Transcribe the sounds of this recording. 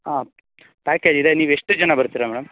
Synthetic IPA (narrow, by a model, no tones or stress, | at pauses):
a | paːkeːd͡ʒid̪eniːʋeʂʈed͡ʒɐnabɐɾt̪iɾɐmɛːɽɐm